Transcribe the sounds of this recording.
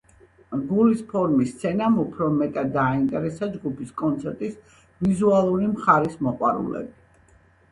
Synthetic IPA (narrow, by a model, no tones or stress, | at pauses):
ɡulispʰɔɾmist̪sʰɛnamupʰɾɔmɛt̪ʼad̪ːaːint̪ʼɛɾɛsad͡ʒɡupʰiskʼɔnt̪sʰɛɾt̪ʼis | vizualˠuɾimχaɾismɔqʼwaɾṵlɛ̰bi